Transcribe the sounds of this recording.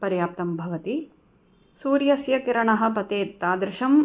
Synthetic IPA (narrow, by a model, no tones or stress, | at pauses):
pɐɾjaːp̚t̪ɐmbʱɐʋɐt̪i | suːɾjɐsjɐkiɾɐɳɐɦɐ̆pɐt̪eːt̪ːaːd̪ɾɪʃɐm